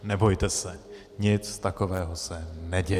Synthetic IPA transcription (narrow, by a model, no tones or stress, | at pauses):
nɛbo̞jt̪ɛsɛ | ɲɪt͡st̪akovɛːɦosɛnɛɟɛ